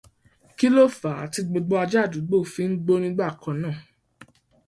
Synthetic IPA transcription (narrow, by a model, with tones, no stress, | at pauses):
ki˦lo˦˨fa˨˦˨ti˧ɡ͡bo˧ɡ͡bɔ˧a˧d͡ʒa˦˨du˨˦ɡ͡bo˦˨fi˨˦n̩˦ɡ͡bo˦nĩ˧˦ɡ͡ba˦˨kã˨˦nãː˦˨